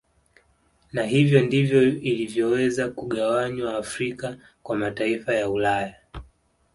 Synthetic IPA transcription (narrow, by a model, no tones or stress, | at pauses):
naɦivjɔndivjɔilivjɔwɛzakuɠawaɲwaːfɾika | kwamataifajaulaja